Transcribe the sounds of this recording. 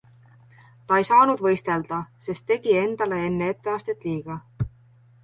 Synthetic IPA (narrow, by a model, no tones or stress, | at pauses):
t̪ɑe̞jsɑːnud̪̥vɤ̞jst̪e̞ld̪̥ɑse̞st̪ːe̞ɡ̥ie̞nd̪̥ɑle̞e̞nːee̞t̪ːe̞ɑːst̪et̪ːˑliːɡ̥ɑ